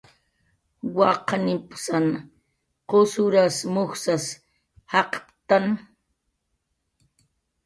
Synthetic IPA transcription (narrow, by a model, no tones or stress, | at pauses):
wɑqnɪpsan | qosʊɾasmʊxsas | hɑqpt̪an